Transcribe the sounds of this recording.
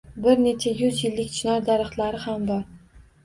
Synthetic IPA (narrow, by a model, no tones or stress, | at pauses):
bɪɾne̞t͡ʃʰajʊzjɪlːɪk̚ʲt͡ʃʰɪnɒɾd̪aɾɨχt̪laɾɪhambɒɾ